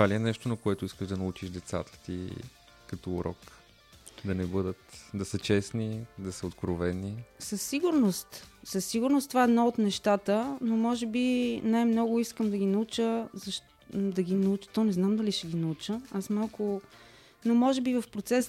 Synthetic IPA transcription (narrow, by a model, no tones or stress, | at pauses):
t̪valʲiɛnɛʃt̪onɐkoɛt̪ʊiskəʒd̪ɐnɐut͡ʃiʒd̪ɛt̪sa̰t̪ə̥t̪ḭ | kɐt̪ɔːɾɔ̰k | d̪ɐnɛbɤd̪ət̪d̪ɐsət͡ʃɛsnid̪ɐsəot̪kɾovɛnisəsːiɡʊɾnost̪səsːiɡʊɾnost̪ovaɛd̪noot̪nɛʃt̪at̪ənomɔʒɛbinajmnɔɡʊiskəmd̪ɐɡinɐut͡ʃəzɐʃ | d̪ɐɡinɐut͡ʃə̥t̪ɔnɛznamd̪ɐliʃɛɡinɐut͡ʃəasmalˠkʊ | nomɔʒɛbivəfpɾot̪sɛs